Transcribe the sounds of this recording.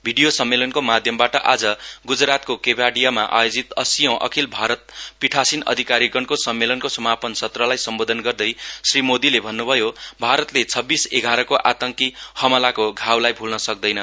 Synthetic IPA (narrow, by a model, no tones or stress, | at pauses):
bʱiɖijosʌmːelʌnkomad̪ʱjʌmbaʈʌʔad͡zʌɡud͡zrat̪kokebaɽijamaʔa̰jod͡zit̪ʌsijʌ̃w̃ʔʌ̰kʰilbʱaɾʌt̪̚piʈʰasinʌ̰d̪ʱikaɾiɡʌɳkosʌmːelʌnkosʌmapʌnsʌt̪rʌlajsʌmbod̪ʱʌnɡʌrd̪ʌjsrimod̪ilebʱʌnːubʱʌjobʱaɾʌt̪let͡sʰʌbːiseɡʱaɾʌkoʔat̪ʌŋkihʌmʌlakoɡʱawlajbʱulnʌsʌk̚d̪ʌjnʌ